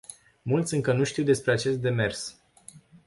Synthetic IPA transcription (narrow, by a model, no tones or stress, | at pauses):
mult̪sʲɨŋkənuʃt̪iwd̪e̞spɾe̞at͡ʃe̞st̪̚d̪e̞me̞rs